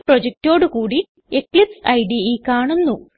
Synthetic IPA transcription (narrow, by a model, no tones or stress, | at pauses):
prod͡ʑek̚ʈo̞ːɽukuːɽi | eklipsɐjɖiikːaːɳunːu